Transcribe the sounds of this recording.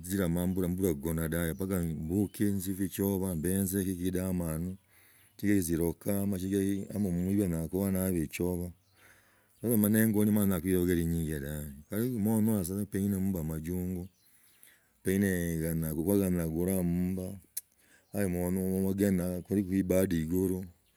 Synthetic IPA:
ziɾamaːmbuɾambuɾaɡonadajopaɡambukinzifit͡ʃoβambeːnzekikidamanu | t͡ʃiɡekiziɾokamat͡ʃiɡeamomuiβanakuβanaβet͡ʃoβa | ozamaneŋɡonimannakijoɡeɾiɲiːŋɡedaɲikaɾimonuas̬apeinemubamad͡ʒuːŋɡo | peineɡanakukwaɡannaɡuɾamuːbaː | jimonomaɡenakuɾikiːbadiɡoɾo

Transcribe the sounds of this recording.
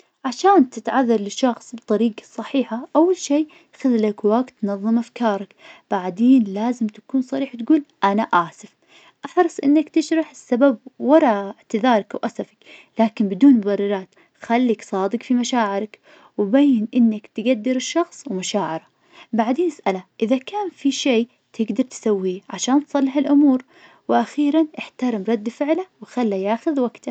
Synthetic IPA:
ʕaʃaːnt̪ɪt̪ʕaðːɑɾˤlɪʃːɑxsˤbɨt̪ˤɑɾiːɡɑ̥sˤːɑħiːħaʔawːalʃiː | xɪðlakwaɡt̪ːnɑðˤːɨmʔafkɑːɾˤɑkb̥aʕd̪eːnlaːzɪmt̪ḁkuːnsˤɑɾiːħwt̪ɡuːlʔanaʔaːsɪf | ʔaħɾˤɨsˤʔɪnːakt̪ɪʃɾˤɑħɪsːabab̚wɑɾˤɑɪʕt̪ɪðɑːɾˤɑkawʔasafḁklaːkɪnbɪd̪uːnðˤɑrˤːɑɾˤɑːt̪ | xalːiksˤɑːd̪ɪkfimaʃaːʕɪɾɪk | wbaːjːɪnʔɪnːakt̪ɡad̪ːɪɾɪʃːɑxsˤwmaʃaːʕɪɾˤa | baʕd̪eːnɪsʔalaʔɪðakaːnfiʃeː | t̪ʰɪɡd̪ɑɾˤt̪sawːiʕaʃaːnt̪sˤɑlːɪħɪlʔʊmuːɾ | wɪʔaxiːɾanʔɪħt̪aɾɪmɾˤɑd̪ːfɪʕlawɪxalːajaːxʊðwaɡt̪a

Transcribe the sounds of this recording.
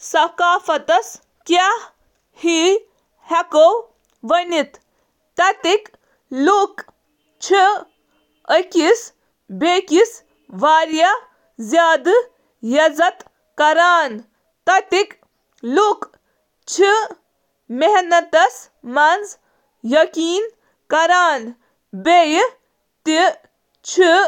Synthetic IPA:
sɐkaːfɐt̪ɐs | kah | hi | hɐkow | ʋɐnit̪ː | ɐt̪ik | luk | t͡ʃʰi | əkis | beːkis | ʋaːɾjɐ | zʲjaːd̪ɨ | jɐzɐt̪ | kɐɾaːn | t̪ɐt̪ik | luk | t͡ʃʰi | meɦnɐt̪ɐs | mɐnz | jɐkiːn | kɐɾaːn | bej | t̪i | t͡ʃʰi

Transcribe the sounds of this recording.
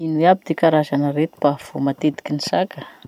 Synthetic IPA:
inueabid̪ekaɾazanəɾet̪u̥bav̥omat̪ed̪i̥kʲinisakə

